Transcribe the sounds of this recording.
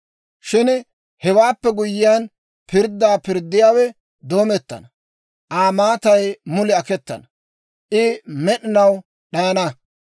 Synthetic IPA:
ʃɪn | hɛwaːpːɛɡʊjːɪjaːn | pɪɾd̪ːaːpɪɾd̪ːɪjaːwɛ | d̪oːmɛt̪ːɐ̰nɐ | ʔaːmaːt̪ɐjmʊlɪɐkɛt̪ːɐ̰nɐ | ʔɪmɛɗɪnɐw | ɗɐjɐnɐ

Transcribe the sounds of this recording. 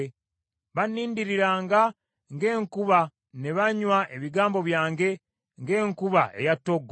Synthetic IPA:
βanːiːndiɾiɾaːŋɡa | ŋɡe̞ːŋkuβa | ne̞βaɲwaʔe̞βiɡaːmbo̞βjaːŋɡe̞ | ŋɡe̞ːŋkuβaʔe̞̰jatːoɡ

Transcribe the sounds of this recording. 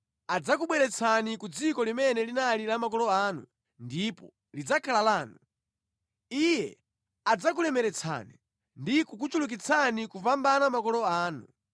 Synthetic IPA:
ad͡zakuɓwɛɾɛt͡sʰanikud͡zikɔlimɛnɛlinalilamakɔlɔaːnṵ | ndipɔ̰ | lid͡zakʰalalaːnu | ijɛ | ad͡zak̬ulɛmɛɾɛt͡sʰa̰ni | ndikuk̬ut͡ʃuluk̬it͡sʰanikuvambanamakɔlɔaːnṵ

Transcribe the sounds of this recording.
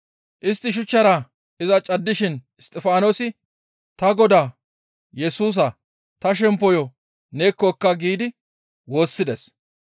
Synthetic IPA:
ʔɪst̪ːɪʃ̬ʊt͡ʃːɐɾa | ɪzɐt͡ʃʼɐd̪ːɪʃɪnɪst̪ʼɪfaːnoːsɪ | t̪ɐɡɔd̪aː | jɛsuːs̬ɐ | t̪ɐʃ̬ɛmpːɔjɔ | ne̞ːkːɔɛkːɐɡiːd̪ɪ | wo̞ːsːɪd̪ɛs

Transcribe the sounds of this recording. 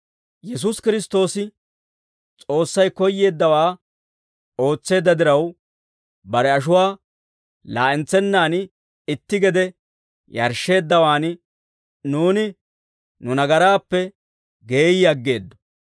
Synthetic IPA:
jɛs̬ʊskɪɾɪst̪o̞ːsɪ | t͡sʼo̞ːsːɐjkɔjːe̞ːd̪ːɐwaː | o̞ːt͡sːe̞ːd̪ːɐd̪ɪɾɐw | bɐɾɛɐʃ̬ʊwaː | la̰ːʔɛnt͡sːɛnːaːn | ɪt̪ːɪɡɛd̪ɛ | jɐ̰ɾʃe̞ːd̪ːɐwaːn | nuːnɪ | nʊnɐɡɐɾaːpːɛ | ɡe̞ːjɪjɐɡːe̞ːd̪ːɔ̥

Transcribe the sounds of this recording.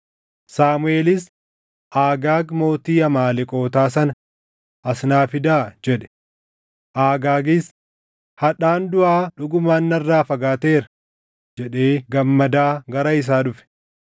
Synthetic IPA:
saːmʊeːlɪs | ʔaːɡaːɡmo̞ːt̪iːɐmaːlɪkʼo̞ːt̪aːsɐnɐ | ʔɐsnaːfɪd̪aːd͡ʒɛᶑɛ̥ | ʔaːɡaːɡɪs | hɐᶑaːnd̪ʊʔaːᶑʊɡʊmaːnːɐrːaːfɐɡaːt̪e̞ːɾɐ̥ | d͡ʒɛᶑe̞ːɡɐmːɐd̪aːɡɐɾɐɪs̬aːᶑʊfɛ̥

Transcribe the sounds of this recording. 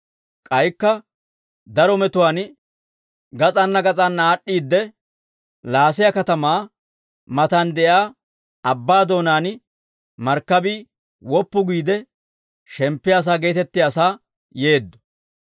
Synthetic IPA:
kʼɐjkːɐ | d̪ɐɾɔmɛt̪ʊwaːn | ɡɐt͡sʼɐnːɐɡɐt͡sʼɐnːaːɗːiːd̪ːɛ | laːsɪjakɐt̪ɐmaː | mɐt̪ɐnd̪ɛjaː | ɐbːaːd̪o̞ːnaːn | mɐɾkːɐbiː | wɔpːʊɡiːd̪ɛ | ʃɛmpːɪjaːs̬aːɡe̞ːt̪ɛt̪ːɪjaːsaː | je̞ːd̪ːɔ̥

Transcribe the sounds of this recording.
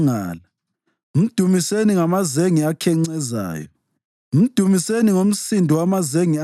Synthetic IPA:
ŋa̰ːla | m̩d̥ʱumiseniŋamazeŋiakʰɛŋ͡ǀɛza̰ːjɔ | m̩d̥ʱumiseniŋom̩sindʱiwamazeŋi

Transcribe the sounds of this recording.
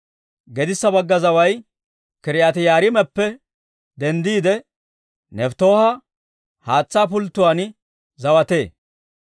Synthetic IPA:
ɡɛd̪ɪsːɐbɐɡːɐzɐwɐj | kɪɾɪjat̪ɪjaːɾɪmɛpːɛ | d̪ɛnd̪iːd̪ɛ | nɛft̪o̞ːhɐ | haːt͡sːaːp̬ʊlt̪ːʊwaːn | zɐwɐt̪e̞ː

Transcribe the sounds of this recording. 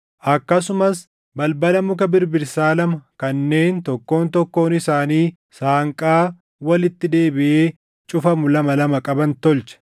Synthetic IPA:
ʔɐkːɐs̬ʊmɐs | bɐlbɐlɐmʊkɐbɪɾbɪɾsaːlɐmɐkɐnːe̞ːnt̪ɔkːo̞ːnt̪ɔkːo̞ːnɪsaːniː | saːŋkʼaː | wɐlɪt̪ːɪd̪e̞ːbɪʔeː | t͡ʃʼʊfɐmʊlɐmɐlɐmɐkʼɐbɐnt̪ɔlt͡ʃɐ̥

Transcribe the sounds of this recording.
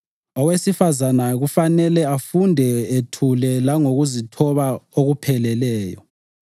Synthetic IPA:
ɔwesifazanaɣufanɛlɛafundʱɛetʰulɛlaŋoɣuzitʰɔβaoɣupʰɛlɛlɛːjɔ̰

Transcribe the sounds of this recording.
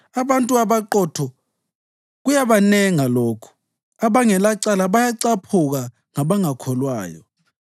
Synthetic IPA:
aβantʼuaβaǃɔtʰɔ | ɣujaβanɛŋalɔːkʰɔ̥ | aβaŋɛlaǀalaβajaǀapʰuɣ̬a | ŋaβaŋakʰɔlwaːjɔ̰

